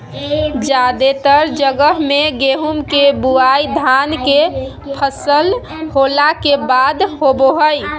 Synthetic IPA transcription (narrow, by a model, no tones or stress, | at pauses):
d͡ʒad̪et̪əɾd͡ʒəɡəɦmeɡeɦumkebuajd̪ʱanke | pʰəsəl | holakebad̪ɦoboɦəj